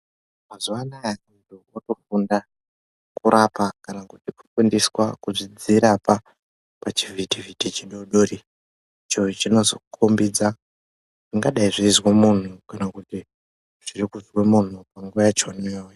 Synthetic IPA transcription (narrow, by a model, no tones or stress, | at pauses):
mazuʋanajaundiuoto̞funda | kuɾapakanakutiku̥fundiswakuʐid͡ziɾapa | pat͡ʃivitivitit͡ʃiɗo̞ɗoːri | t͡ʃoit͡ʃino̞zokʰombid͡za | ʐiŋɡaɗaiʐiːzwemun̤ukanakuti | ʐ̥irikuzwemun̤upaŋɡuʋajet͡ʃonewe